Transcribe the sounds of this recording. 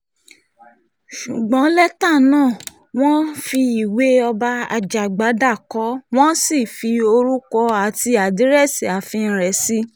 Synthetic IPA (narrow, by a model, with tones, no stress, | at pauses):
ʃu˨ɡ͡bɔ̃˨˦lɛ˦ta˦˨nãː˦˨ | w̃ɔ̃˦fi˧i˨we˨˦ɔ˧ba˧a̰˧d͡ʒa˨ɡ͡ba˨˦da˦˨kɔ˨˦w̃ɔ̃˦si˦˨fi˧o˧ɾu˦kɔ˧a˨ti˧˦a˨di˨˦ɾɛ˦˨si˨a˨fi˧˦ɾɛ˨˦si˦